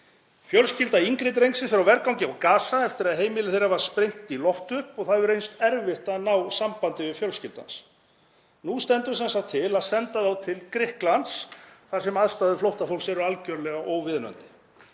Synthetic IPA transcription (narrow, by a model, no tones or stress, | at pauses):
fjœlscɪlt̪aiŋkɾɪt̪̬ɾejnsɪsɛɾawvɛɾkawɲcɪawkaːsaɛft̪ɪɾaðɦeːjmɪlɪθejɾavaɾ̥spɾejŋ̥t̪ilɔft̪ʏhpɔɣθaðʏɾejnst̪ɛɾvɪht̪anaːwsampant̪ɪvɪðfjœlscɪlt̪a̰ns | nust̪ɛnt̪ʏsɛnsakt̪ʰːɪlaðsɛnt̪aðawt̪ʰɪlkɾɪhklansθaɾ̥sɛmaðst̪aːðʏflowht̪afowlsɛɾʏalcœɾlɛɣaʔowvɪðnœ̰nt̪ɪ̥